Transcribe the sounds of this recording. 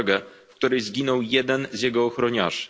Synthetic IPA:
ɡɛfkt̪uɾɘjzɡʲinɔwjɛd̪ɛnzjɛɡɔːxɾɔɲa̰ʂ

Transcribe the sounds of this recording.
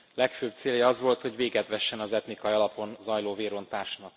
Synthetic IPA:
lɛkføːb̚t̪seːljɒɒzʋo̞lt̪ho̞ɟʋeːɡɛt̪ʋɛʃːɛnɒzɛt̪nikɒjiɒlɒpo̞nzɒjloːveːɾo̞nt̪aːʃnɒk

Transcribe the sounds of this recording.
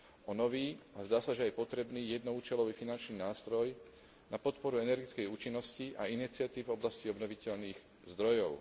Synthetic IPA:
ɔnɔʋiːazd̪aːsaʒɛajpɔt̪ɾɛbniːjɛd̪nɔuːt͡ʃɛlɔʋiːfinant͡ʃniːnaːst̪ɾɔj | napɔt̪pɔɾuɛnɛɾɡit͡skɛjuːt͡ʃinːɔsciʔainit͡sɪat̪iːvvɔblasciɔbnɔʋicɛʎniːɣ | zd̪ɾɔjɔʊ

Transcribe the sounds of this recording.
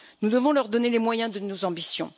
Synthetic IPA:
nud̪əvɔ̃lœʁd̪ɔnelemwajɛ̃d̪ənozɑ̃bisjɔ̃

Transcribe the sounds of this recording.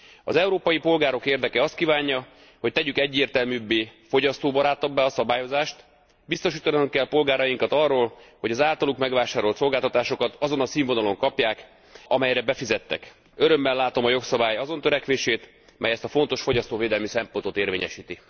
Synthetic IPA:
ɒ̰zɛuɾoːpɒjipo̞lɡaːɾo̞keːrd̪ɛkɛɒst̪kiːvaːɲːɒ | ho̞c̚t̪ɛɟykɛɟːeːrt̪ɛlmyːbːeːfo̞ɟɒst̪oːbɒɾaːt̪ɒbːaɒsɒbaːjo̞zaːʃt̪ | bist̪o̞ʃiːt̪ɒnuŋkːɛlpo̞lɡaːɾɒjiŋkɒt̪ɒrːoːlho̞ɟɒzaːlt̪ɒlukmɛɡʋaːʃaːɾo̞lt̪so̞lɡaːlt̪ɒt̪aːʃo̞kɒt̪ɒzo̞nɒtsiːɱvo̞nɒlo̞ŋkɒpjaːk | ɒmɛjɾɛbɛfizɛt̪ːɛ̰k | øɾømːɛlːaːt̪o̞mɒjo̞ksɒbaːjɒzo̞nt̪øɾɛkʋeːʃeːt̪ | mʔɛjɛst̪ɒfo̞n̪t̪o̞ʃfo̞ɟɒst̪oːveːd̪ɛlmisɛmpo̞nt̪o̞t̪eːrveːɲɛ̰ʃiːt̪i

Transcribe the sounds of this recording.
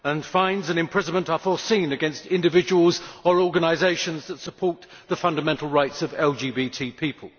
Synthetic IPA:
ə̃nfãɪ̃ndzɨ̃nɨ̃mpʰɹ̥ɪznmə̃ntəfɔsĩnɨɡɛ̃nstɪ̃ndɨvɪd͡ʒəwəlˠzəɹɔɡənaɪzeɪʃə̃nzðətsəpʰɔɹt̪̚ | ðəfʌ̃ndəmɛ̃ntˡl̩ˠɹaɪtsʌvɛlˠd͡ʒibitʰiːpʰiˑpʰə̰lˠ

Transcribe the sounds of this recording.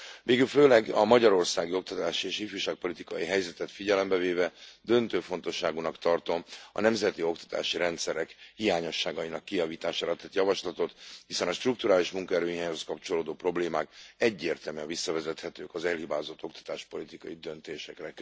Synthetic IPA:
veːɡylføːlɛɡɒmɒɟɒɾo̞rsaːɡio̞k̚t̪ɒt̪aːʃieːʃifyːʃaːk̚po̞lit̪ikɒ̰jiɦɛjzɛt̪ɛt̪fiɟɛlɛmbɛveːvɛd̪ø̞nt̪øːfo̞n̪t̪o̞ʃːaːɡunɒkt̪ɒrt̪o̞mɒ̰nɛmzɛt̪io̞kt̪ɒ̥t̪a̰ːʃiɾɛnt̪sɛɾɛkhijaːɲo̞ʃːaːɡɒjinɒkːijɒviːt̪aːʃaːɾɒt̪ɛt̪jɒvɒʃlɒt̪o̞t̪hisɛnɒʃt̪ruk̚t̪uɾaːliʃmuŋkɒɛɾøːɦijaːɲhoskɒpt͡ʃo̞loːd̪oːpro̞bleːmaːkɛɟːeːrt̪ɛlmvisːɒvɛzɛt̪hɛt̪ø̰ːkɒzɛlhibaːzo̞t̪ːo̞kt̪ɒ̥t̪aːʃpo̞lit̪ikɒjid̪ønt̪eːʃɛkrɛ

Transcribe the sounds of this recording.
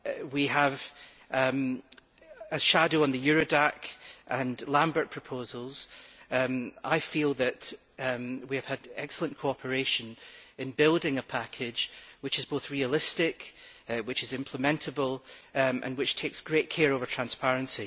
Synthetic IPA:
wiəv̥ | m | əz̥ʃadoə̃nðəjʉɹodakʔə̃nlˠãmbə˞ʔ̚pʰɹ̥əpʰozəlˠz̥ | a̰ɪfilˠðəʔ | wiɨv̥ədɛ̰ksəl̩ˠə̃nkʰoɔpʰə˞eʃə̃nɪ̃nbɪlˠdɪ̃ŋəpʰakʰɪ̥d͡ʒ̥wɪt͡ʃɪzboθɹiəlˠɪstɪkwɪt͡ʃɪzɪ̃mpʰl̥ˠəmɛ̃ntəbəlˠʔə̰̃nwɪt͡ʃtʰeksɡ̥ɹeʔkʰeɹovə˞tʰɹ̥ãnspaɹɨ̃nsi

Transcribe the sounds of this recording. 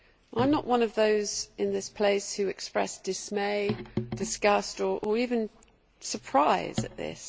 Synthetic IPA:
ʔãɪ̃mnəʔwʔʌ̃nəvðəʊzɪ̃nðɪspʰl̥eɪshʉɛkspɹɛ̰sd̥ɪsmeɪd̥ɪsɡ̥ʌstə˞ʔə˞iːvɨ̃n | səpʰɹ̥aɪz̥ə̰ʔðɪ̰s

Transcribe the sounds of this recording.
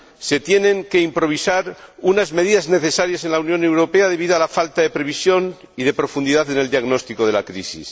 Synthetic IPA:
se̞t̪je̞nẽ̞ŋke̞impɾo̞β̞isaɾunazme̞ð̞iðazne̞θe̞saɾjase̞nlaunjõ̞ne̞wɾo̞pe̞að̞e̞β̞iðoalafalt̪aðe̞pɾe̞β̞isjo̞n | iðepɾo̞fund̪iðaðe̞ne̞ld̪jaɣno̞st̪iko̞ð̞e̞lakɾisḭs

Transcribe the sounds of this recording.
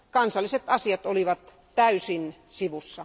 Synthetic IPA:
kɑnsɑlːiset̪ɑsiɑt̪oliʋɑt̪ | tæysin | siʋusːɑ

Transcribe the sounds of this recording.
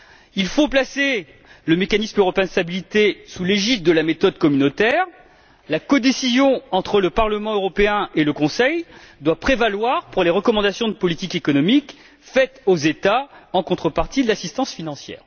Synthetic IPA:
ilfoplase | ləmekanismøʁɔpeɛ̃d̪əst̪abilit̪esuleʒit̪̚d̪əlamet̪ɔd̪̚kɔmynot̪ɛʁ | lakɔd̪esizjɔ̃ɑ̃t̪χələpaʁləmɑ̃øʁɔpeɛ̃eləkɔ̃sɛjd̪wapχevalwaʁpuʁleʁəkɔmɑ̃d̪asjɔ̃d̪əpɔlit̪ikekɔnɔmik | fɛt̪ozet̪aɑ̃kɔ̃t̪χəpaʁt̪id̪əlasist̪ɑ̃sfinɑ̃sjɛ̰ːʁ

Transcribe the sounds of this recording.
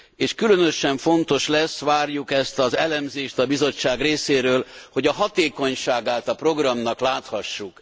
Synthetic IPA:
eːʃkylønøʃɛɱfo̞nt̪o̞ʃlɛsʋaːrjukɛst̪ɒzɛlɛmzeːʃt̪ɒbizo̞t͡ʃːaːɡreːseːɾøːlho̞ɟɒɦɒt̪eːko̞ɲʃaːɡaːt̪ɒpro̞ɡrɒmnɒklaːt̪hɒʃːuk

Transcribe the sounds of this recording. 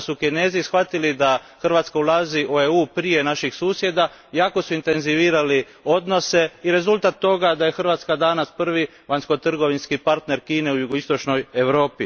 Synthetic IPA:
sukine̞ːzisxʋat̪ilid̪a | xrʋaːt̪skaulˠaːziʔueuːpɾije̞naʃixsuːsje̞d̪a | jaːko̞suint̪e̞nziʋiːɾali | o̞d̪no̞se̞iɾe̞zulˠt̪at̪ːo̞ɡad̪aje̞xr̩ʋaːt̪skad̪anaspr̩ʋi | ʋaɲnsko̞t̪r̩ɡo̞ʋinskipaɾt̪ne̞ɾkiːne̞ujuɡo̞ist̪o̞t͡ʃno̞je̞ʋɾo̞ːpi

